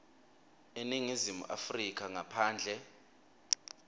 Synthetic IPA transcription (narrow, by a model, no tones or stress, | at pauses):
eniŋizimṵʔa̰frik̬ʰʼaŋapʰaːnd͡ɮʱɛ